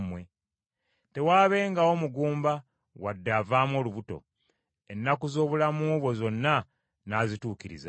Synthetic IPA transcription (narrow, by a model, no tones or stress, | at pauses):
mwe̞ | te̞waːβe̞ːŋɡao̞muɡuːmba | wadːavaːmo̞ːluβuto̞̰ | e̞nːakuzo̞ːβulamuːβwo̞zo̞nːa | naːzituːkiɾḭza